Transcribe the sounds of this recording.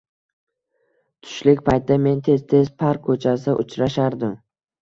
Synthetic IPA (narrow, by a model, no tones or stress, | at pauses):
t̪ʰʊ̥ʃlɪkʲpʰajt̪ɪd̪ame̞nt̪ʰe̞z̥t̪ʰe̞zpʰaɾkʰːɵt͡ʃʰas̬ɪʔʊt͡ʃɾaʃaɾd̪ɪm